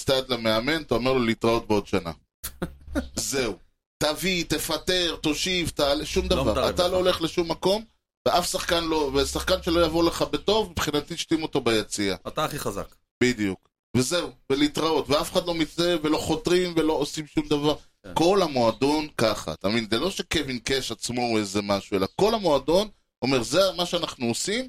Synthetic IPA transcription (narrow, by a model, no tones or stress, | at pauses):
st̪ad̪lameame̞nt̪aameʁlolit̪ʁao̞t̚beo̞d̪ʃana̰ | ze̞u | t̪avit̪e̞fat̪e̞ʁt̪o̞ʃivt̪aleʃumd̪avaʁa̰talo̞ole̞χle̞ʃumːako̞m | veʔafsaχkanlo̞vesaχkanʃelo̞javoleχabet̪o̞vmipχinat̪iʃtimo̞t̪o̞bajat͡siaataχiχaza̰k | b̥id̪ijuk | ve̞ze̞uvelit̪ʁao̞tveafeχad̪lo̞mit͡seve̞lo̞χo̞tʁimvelo̞ːsimʃumd̪avaʁ | ko̞lhamo̞ado̞nkaχa̰at̪amevinzelo̞ʃe̞kevinkeʃat͡smo̞ezemaʃue̞lako̞lhamoado̞n | omeʁzemaʃeanaχnuosim